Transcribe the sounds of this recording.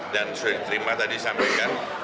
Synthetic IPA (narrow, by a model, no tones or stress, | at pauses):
dansudadit̪əɾimat̪adisampɛkan